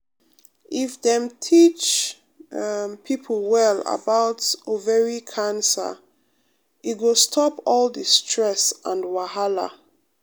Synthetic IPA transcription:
ʔifdɛ̃mtʰit͡ʃ | pʰipʰl̩ˠwɛlə̰baʊtovɛɹikʰãnsə̰ | iɡostʰɔpɔldistʰɹɛsãndwahala̰

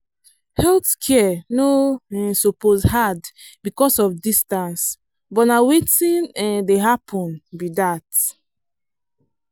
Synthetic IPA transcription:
hɛltkʰɛnoɛsɔposhad | bikɔsɔfdistãns | bɔtnawetĩndeɦapʰɔ̃nbidat

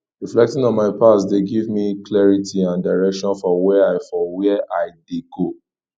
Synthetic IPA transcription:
ɹiflɛk̚tĩŋɔ̃nmaɪpasdeɡivmiklɛɹitʰiãndaɪɹɛkʃɔ̃nfɔwɛaɪfɔwɛʔaɪdeɡo

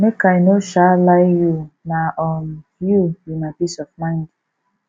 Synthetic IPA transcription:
mekaɪnoʃalaɪjunaʔɔnjujunapisɔfmãɪ̃nd

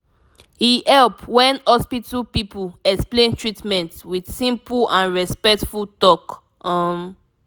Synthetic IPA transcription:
hihɛlpwɛ̃nhɔspitəlpipulɛksplẽntɹitmɛ̃ntwid̥sĩmplãnɹɛspɛk̚tfultɔk | ɔm

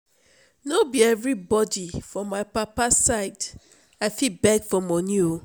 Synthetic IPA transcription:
nobiɛvɹibɔdifɹɔ̃mːaɪpapasaɪd | aɪfibɛɡfɔmɔnjuo

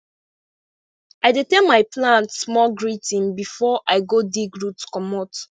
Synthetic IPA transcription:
aɪditɛnmaɪpʰlãntsmɔlɡɹitʰĩnbifɔʔaɪɡodiɡɹutkɔmɔt

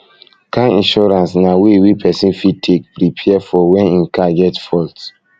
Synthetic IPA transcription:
kãnĩnʃɔɾãnsnawewipʰɛsĩnfid̚tʰek̚pɾipʰɛɛfɔwɛ̃nĩnkʰaɡɛtfɔlt

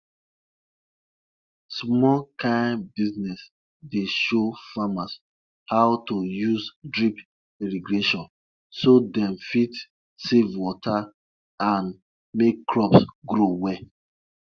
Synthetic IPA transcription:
smɔlkãɪnbiznɛs | deʃofamas | haʊtojuzdɹip | iɾiɡɹeʃɔ̃n | sodɛ̃mfit | sevwɔtʰa | ãn | mekːɹɔpsɡɾowɛ

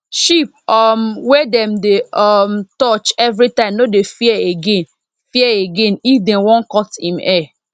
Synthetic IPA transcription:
ʃip̚ɔmwɛdɛmdeɔmtɔt͡ʃɛvɹitãɪ̃mnodefiɛeɡẽn | fiɛeɡẽnifdẽnwɔ̃nkɔtḭ̃mɛ

